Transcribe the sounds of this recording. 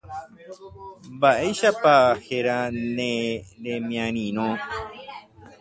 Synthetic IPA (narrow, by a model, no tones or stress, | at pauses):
mbaʔeʃapaheɾanẽɾẽmj̃ãɾ̃ĩɾõ